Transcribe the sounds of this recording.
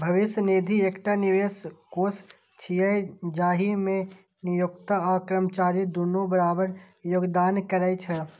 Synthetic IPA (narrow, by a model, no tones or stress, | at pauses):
bʱɐʋɪʃneːd̪ʱieːkʈanɪʋeːskoːs | t͡ʃʰiəd͡ʒaːɦimẽ | njokt̪aaːkɾəmt͡ʃaːɾid̪oːnobəɾaːbəɾ | joːɡd̪aːnkəɾait͡ʃʰə